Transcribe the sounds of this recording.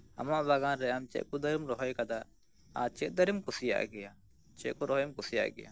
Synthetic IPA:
ɐ̰maʔbaɡãːnɾɛamt͡ʃɛ̰ʔkud̪ɐɾimɾɔɦɔjkad̪a | at͡ʃɛʔd̪ɐɾimkʊsija̰ʔɡɛja | t͡ʃɛkuɾɔɦjmkʊsija̰ʔɡɛ̰ja̰

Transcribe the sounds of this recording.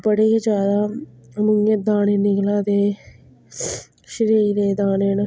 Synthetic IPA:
bəɽeːkeːd͡ʒaːd̪aːmʊŋɡeːd̪aːneːnɪklaːd̪eː | ʃəɾiːɾeːd̪aːneːnə

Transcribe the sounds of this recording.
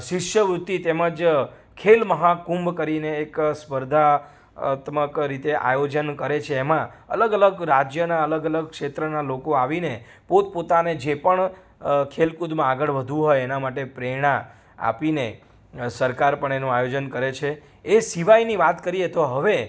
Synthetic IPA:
ʃɪʃjəʋɾut̪ːit̪eməd͡ʒ | kʰelməɦakũmbkəɾineːkspəɾd̪ʱa̰ | t̪məkɾit̪eʔa̰jod͡ʒənkəɾet͡ʃʰeːmãə̰ləɡələɡɾad͡ʒjənaələɡələɡ̚kʃet̪ɾənalokoaʋine | pot̪̚pot̪aned͡ʒepəɳ | kʰelkud̪mãaɡəɭʋəd̪ʱũɦojenamaʈepɾeɽ̃ã | a̰pine | səɾkaɾpəɳenũajod͡ʒənkəɾet͡ʃʰe | esiʋajniʋat̪kəɾiet̪oɦəʋe

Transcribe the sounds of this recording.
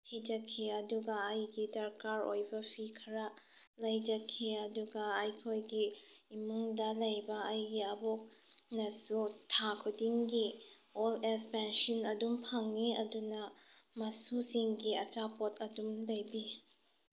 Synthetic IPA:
tʰid͡ʒɐkʰiɐduɡɐːjɡidɐɾkaɾo̰jbɐpʰikʰɐɾɐ | lɐjd͡ʒɐkʰiɐduɡɐːjkʰojɡiimuŋdɐlɐjbɐːjɡiɐbok̚nɐsutʰakʰudiŋɡi | olekspɛnsinɐdumpʰaŋːiɐdunɐmɐsusiŋɡiɐt͡ʃapot̚ʰɐdumlɐjbi

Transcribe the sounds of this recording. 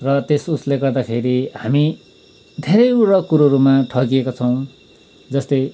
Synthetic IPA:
rʌt̪esusleɡʌrd̪apʰeɾiɦami | d̪ʱeɾʌjuɾʌkuɾoɾumaʈʰʌkijekot͡sʰʌw̃ | d͡zʌst̪ʌj

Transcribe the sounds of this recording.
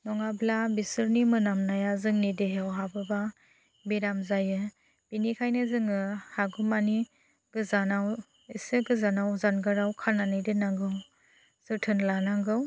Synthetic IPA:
nɔŋablabisɯɾnimɯnamnajazɯŋnideɦewɦabɯba | biɾamzajɯ | b̥inikʰajnɯzɯŋɯhaɡumani | ɡɯzanaw | isɯɡɯzanawzanɡɯɾawkʰananajdɯnaŋɡɯw | z̥ɯɾtʰɯnlanaŋɡɯw

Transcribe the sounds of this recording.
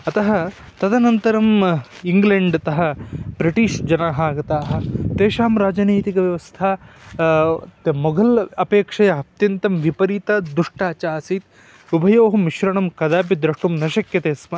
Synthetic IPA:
ɐt̪ɐɦɐ | t̪ɐd̪ɐnɐnt̪ɐɾɐm | iŋɡleɳɖt̪ɐɦɐ̆bɾiʈiːʂd͡ʒɐnaːɦaːɡɐt̪aːɦɐ̆t̪eːʃaːmɾaːd͡ʒɐniːt̪ikɐʋjɐʋɐst̪ʰa | t̪mɔɡɐlɐpeːkʂɐjɐɐp̚t̪jɐnt̪ɐmʋipɐɾiːt̪ad̪uʂʈaːt͡ʃaːsit̪̚ | ubʱɐjoːɦɐmiʃɾɐɳɐmkɐd̪aːpid̪ɾɐʂʈumnɐʃɐkjɐt̪eːsmɐ

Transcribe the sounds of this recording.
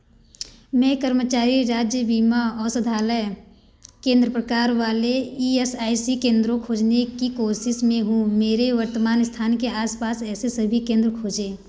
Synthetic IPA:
mɛ̃kəɾmət͡ʃaːɾiɾaːd͡ʒjəbiːmaɔːɾsɐd̪ʱaːləj | kẽːnd̪ɾəpɾəkaːɾʋaːleiːesaːisikẽːnd̪ɾõkʰoːd͡ʒnekikoːʃɪʃmẽɦũmeːɾeʋəɾt̪əmaːnɪst̪ʰaːnkeaːspaːsɛːsesəbʱikẽːnd̪ɾəkʰoːd͡ʒẽː

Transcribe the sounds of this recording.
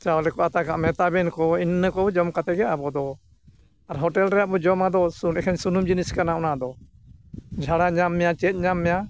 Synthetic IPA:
t͡ʃawlɛkɔʔat̪akaʔmɛt̪abɛnkɔinːəkɔbɔd͡ʒɔmkat̪ɛɡɛabɔd̪ɔ | aɾɦɔʈɛlɾɛjaʔbɔd͡ʒɔmad̪ɔsunɛkʰaɲsunumd͡ʒiniskanaɔnad̪ɔ | d͡ʒʱaɽaɲamːɛjat͡ʃɛt̪̚ˀɲamːɛja

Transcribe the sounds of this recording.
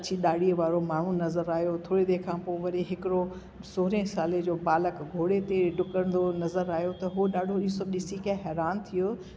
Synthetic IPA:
ɐt͡ɕʰiɗaːɽiəʋaːɾomaːɳ̤unɐzəɾaːjot̪ʰoːɾid̪eːkʰãːpoːʋɐɾiɦɪkɪɾo | soːɾẽsaːled͡ʑoːbaːləkɡʱoːɽet̪eɖʱʊkəɽə̃nd̪onɐzəɾaːjot̪ɐɦuɗaːɖʱoisoɗɪsikaɦɛːɾaːnt̪ʰijo

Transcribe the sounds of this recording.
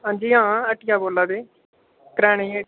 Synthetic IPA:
ɦãːɲd͡ʒiːɦãːəʈɪjãːboːlaːd̪eː | kɾɛ̃ːɽẽːe

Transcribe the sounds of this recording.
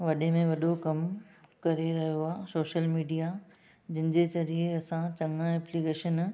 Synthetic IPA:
ʋɐɗemẽʋɐɗokɐmkɐɾeɾɐɦijoaːsoːʃəlmiːɖija | d͡ʑɪnɪ̃̆d͡ʑet͡ɕɐɾiɐsãt͡ɕɐ̃ŋãɛ̃ːplikeːʃən

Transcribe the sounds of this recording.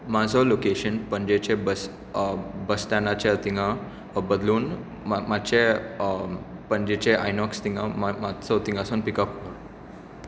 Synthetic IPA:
mad͡zʱɔlokeɕənpəɲd͡ʑet͡ɕebəs | bəsʈanat͡ɕet̪iŋɡã | bəd̪luːn | mat̪t͡ɕe | pəɲd͡ʑet͡ɕeʔajnɔkst̪iŋɡammat͡sɔt̪iŋɡasuːnpikəpoɽ

